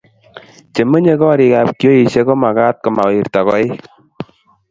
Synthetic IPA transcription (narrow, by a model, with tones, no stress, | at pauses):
t͡ʃe˨mə˦ɲe˦kɔ˦ɾi˨ka˨p̚kjo˦i˨ʃe˦kɔ˦ma˨ka˦t̚kɔ˨ma˨wi˨ɾta˨kɔ˦i˦